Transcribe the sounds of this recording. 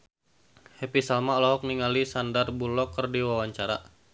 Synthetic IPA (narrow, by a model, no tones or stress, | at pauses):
hepisalmaɔlɔɦɔk̚niŋalisandarbulɔkɨrdiwawaɲt͡ʃaɾa̰